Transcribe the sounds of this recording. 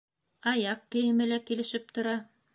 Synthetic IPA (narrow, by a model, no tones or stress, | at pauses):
ɑjɑq̚kɘ̆jɘ̆mɘ̆lækilɘ̆ʃɘp̚t̪ŏɾɑ